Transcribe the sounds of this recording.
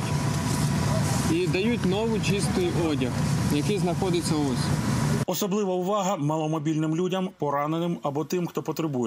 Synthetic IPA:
id̪ɐjutʲnɔʋɪt͡ʃist̪ɪjʔɔdʲɐxjɐkɪjznɐxɔd̪ɪt͡sʲːɐɔsʲɔsɔblˠɪʋɐʊʋɑɦɐmɑlˠɔmɔbʲilʲnɪmlʲudʲɐmpɔɾɑnenɪmɐbɔt̪ɪmxt̪ɔpɔt̪ɾebujɛ

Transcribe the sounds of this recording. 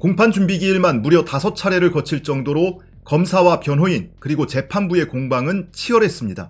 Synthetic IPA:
koŋpʰand͡ʑumbiɡiːɭmanmuɾjʌtasʰʌt͡ɕʰaɾeɾɯɭkʌt͡ɕʰiɭt͡ɕ͈ʌŋdoɾo | kʌmsʰawapjʌnɦoinkɯɾiɡot͡ɕe̞pʰanbue̞koŋbaŋɯnt͡ɕʰiʌɾɦes͈ɯmɲida̰

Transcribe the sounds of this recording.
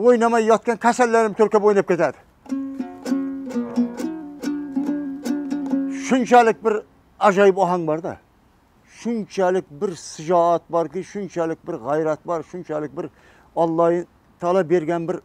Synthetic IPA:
wojnɑmɑjːɒt̪̚kɑnkʲʰæsælːæɾɪmt̪ʰɵɾkʲabojnɑp̚kʲe̞t̪æd̪ɪ | ʃʊnt͡ʃʰælɪk̚ʲbɪɾ | æʒɑjɪpɒɦɑŋbɑɾd̪æ̰ | ʃʊnt͡ʃʰælɪk̚ʲbɪɾsɪd͡ʒɒɑt̪̚bɑɾkʲɪjʃʊnt͡ʃʰælɪk̚ʲbɪɾʁæjɾæt̪̚bɑɾʃʊnt͡ʃʰælɪk̚ʲbɪɾ | ɑlˠːɑj | t̪ʰɑlˠɑbe̞ɾɡʲænbɪɾ

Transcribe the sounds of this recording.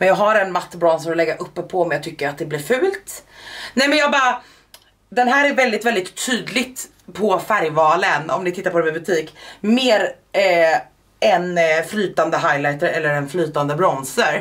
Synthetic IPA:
mɛnjɑːɡɦaɾɛnmat̪ːbɾɔnsəɾɔlɛɡːaʔɵpːəpʰɔɔmjat̪ʰʏkːəɾat̪̚d̪ɛblɪɾfʉ̟ːlt̪nɛjmɛnjɑːɡbɑːɾa | d̪ɛnɦæːɾæɾvɛld̪ɪt̪vɛld̪ɪt̪ʰːyːd̪lɪɡt̪ | pʰɔfæɾjvɑːlənɔ̰mnɪt̪ʰɪt̪ːaɾpʰɔd̪ɛmɛbɵt̪ʰiːkmeːɾ | ɛnflyːt̪and̪əɦajlajt̪əɾɛlːəɾɛnflyːt̪and̪əbɾɔnsəɾ

